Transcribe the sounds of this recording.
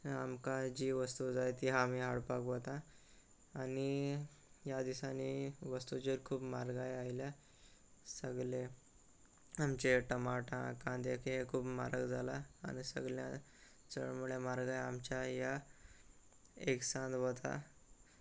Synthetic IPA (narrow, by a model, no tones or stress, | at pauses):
amkad͡ʑiːʋəst̪ud͡zajt̪iɦaːmiɦaɽpakʋət̪ã | ani | jad̪isaniʋəst̪ut͡ɕeɾkʰuːbmaɾɡajailja | səɡɭe | amt͡ɕeʈəmaʈã̰kãd̪ekʰɦekʰuːbma̰ɾəɡd͡zʱala̰ːñisə̰ɡɭjã̰ | t͡sə̰ɭmuɭemaɾɡajamt͡ɕjaja | eksãnd̪ʋət̪ʰa̰